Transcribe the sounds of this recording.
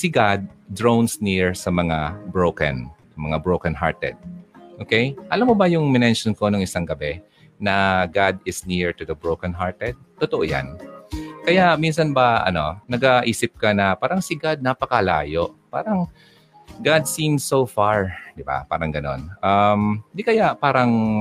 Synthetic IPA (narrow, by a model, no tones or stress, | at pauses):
sɪɡad̪̚ːɹownsniɹsɐmɐŋabɹowkɐ̰n | mɐŋabɹowkɐnɦa̰ɹt̪ɛ̰d̪̚ʔoːkɛjʔɐlamːobɐjʊŋmɪnɛnʃonkonoŋɪsaŋɡɐbɛ | nɐɡad̪ɪsniɹɹt̪ʊd̪ɐbɹowkɐnɦaɹt̪ɛd̪̚t̪ːot̪oʔoja̰nkɐjaʔminsɐnbɐʔɐ̰no̞̰nɐɡaʔiːsɪp̚kɐnɐpaːɾɐŋsɪɡad̪̚napɐkɐla̰ːjo̞ʔpa̰ːɾɐŋ | ɡad̪̚sinsowfaɹd̪ɪba̰pa̰ːɾɐŋɡɐno̞̰nʔɐmnd̪ikɐjapaːɾɐŋ